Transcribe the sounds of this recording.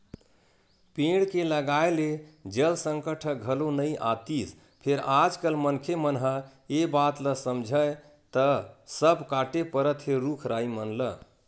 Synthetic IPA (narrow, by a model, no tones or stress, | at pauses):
pẽɽkeləɡaeled͡ʒəlsə̃ŋkəʈʰəɡʱəlonəjʔa̰t̪is | pʰeɾad͡ʒkəlmənkʰemənɦəebat̪ləsəmd͡ʒʱəj | t̪əsəbkaʈepəɾət̪ʰɦeɾukʰɾaimənlə